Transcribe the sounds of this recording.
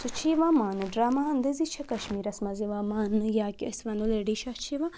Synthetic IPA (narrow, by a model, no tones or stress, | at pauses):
sut͡ʃʰiʋaːmaːnɨɖɾaːmaɐnd̪ezit͡ʃʰɐkɐʃmiːɾɐsmɐziʋaːmaːnjaːkʲɐ̰sʋɐnd̪oleɖiʃɐt͡ʃʰiʋa